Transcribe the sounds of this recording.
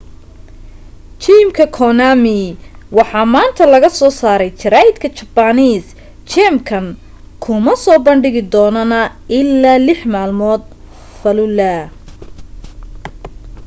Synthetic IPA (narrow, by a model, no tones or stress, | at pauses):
t͡ʃimkʰɐkʰɔnamiwɑħɑːmaːnt̪ʰɐlɐɣɐsɔːsaːɾɛjt͡ʃʰɪɾaːjɪd̪kʰɐt͡ʃɐbɐniːs | t͡ʃɛmkʰɐn | kʰʊmɐsɔːbɐnɖɪɣɪd̪ɔːnɔnɐ | ɪlːaːlɪħmaːlmɔːd̪̚ | fɐlʊlɐ